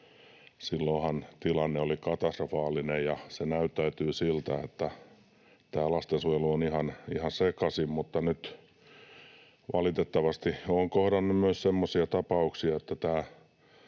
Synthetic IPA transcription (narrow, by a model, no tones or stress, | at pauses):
silːohɑnt̪ilɑnːeolikɑt̪ɑst̪rofɑːlinejjɑsenæyt̪ːæyt̪yːsilt̪æet̪ːæ | t̪æːlɑst̪ensujeluonihɑnihɑnsekɑsimmut̪ːɑnyt̪ | ʋɑlit̪et̪ːɑʋɑst̪ioːŋkohdɑnːummyøssemːosiɑt̪ɑpɑuksiɑet̪ːæt̪æː